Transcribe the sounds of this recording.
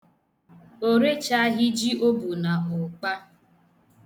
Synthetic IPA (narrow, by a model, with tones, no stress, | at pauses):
o˦ɾe˦t͡ʃa˦ɦɪ˦d͡ʒi˦ʔo˦bu˨na˨ɦʊ˨k͡pa˦